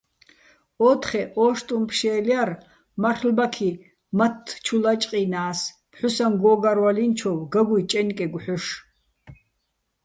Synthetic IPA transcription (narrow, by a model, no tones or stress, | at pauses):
ɔːt̪χɛʔɔːʃt̪ʼumpʰʃɛːliar | marχlbakʰi | mat̪ʰːt͡ʃʰulat͡ʃʼqʼinaːs | pʰħusanɡɔːɡaɾwalint͡ʃʰɔwɡaɡujt͡ʃʼɛnkʼɛɡʷħʊʃ